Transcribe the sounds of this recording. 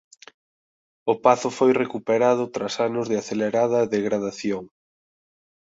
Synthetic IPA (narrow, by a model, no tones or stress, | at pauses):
ʊpaθʊfojrekupeɾaðʊt̪ɾasanʊzðɪaθeleɾaðɐðeɣɾað̞aθjoŋ